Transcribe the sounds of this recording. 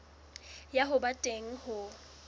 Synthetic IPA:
jaɦʊbatʼeŋ̩hʊ

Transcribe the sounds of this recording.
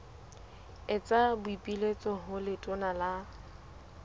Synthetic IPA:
ɪt͡sʼabʊipʼilet͡sʼɔɦʊlɪtʼʊnala

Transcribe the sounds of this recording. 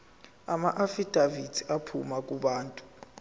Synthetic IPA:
amaʔafid̥ʱavitʰi̥apʰumakʼuɓaːntʼu̥

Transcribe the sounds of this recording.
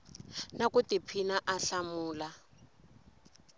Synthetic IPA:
nakutipʰinaʔaɬamuːla

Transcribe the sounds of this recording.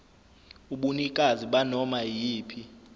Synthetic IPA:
uɓunikʼaziɓanɔmajiːpʰi

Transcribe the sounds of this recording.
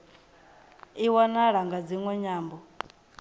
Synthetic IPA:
iwanaɺaŋɡad͡ziŋwɛɲaːmbɔ

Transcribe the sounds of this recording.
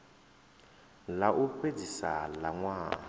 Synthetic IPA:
laʔuped͡zisa̰laŋwaː

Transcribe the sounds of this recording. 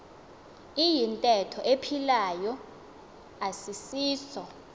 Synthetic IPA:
ijintʼɛtʰɔʔepʰilajɔ | asisiːsɔ

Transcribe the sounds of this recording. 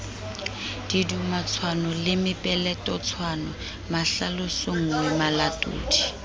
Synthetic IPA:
d̥idumat͡sʰwanɔlɪmɪpʼɛlɛtʼɔt͡sʰwanɔ | maɬalosoŋ̩wɛmalatʼṵːdi̥

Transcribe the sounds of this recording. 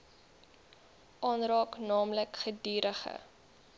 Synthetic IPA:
ʔɑːnrɑːknɑːmləkχədiːɾəχə̰

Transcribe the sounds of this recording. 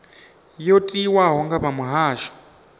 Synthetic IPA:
jɔtʼiwaɦɔŋɡaβamuɦaːʃɔ̥

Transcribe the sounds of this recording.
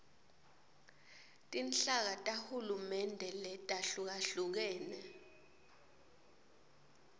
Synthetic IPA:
tʼint͡ɬak̬atʼahulumɛndʱɛlɛtʼaɬuk̬aɬuk̬ɛːnɛ

